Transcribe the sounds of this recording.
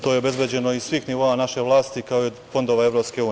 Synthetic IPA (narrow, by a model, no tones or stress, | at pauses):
t̪o̞ːjeo̞be̞zbjed͡ʑe̞no̞isʋiːxniʋo̞ːanaʃe̞ʋlˠaːst̪ikao | fo̞nd̪oʋae̞vɾo̞pske̞uː